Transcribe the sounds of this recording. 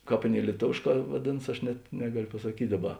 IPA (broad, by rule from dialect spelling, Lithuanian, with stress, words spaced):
ˈkɑːp ˈɑːˌnʲeːɪ lʲiɛˈtoːʋʲeːʃˌkɑː ˈʋɑːdʲeːnɐs ˈɐʃ nʲɛt ˈnʲæːɡɐlʲoː pɐsɐˈkʲiːtʲ ˈdɑːˌbɐ